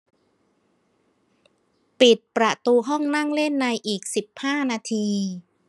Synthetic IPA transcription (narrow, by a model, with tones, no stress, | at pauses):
pi˨˩t̪̚pɾa˨˩t̪uː˧ɦɔ˥˩ŋna˥˩ŋle˥˩nːa˧jʔiː˨˩k̚si˨˩p̚haː˥˩naː˧t̪ʰiː˧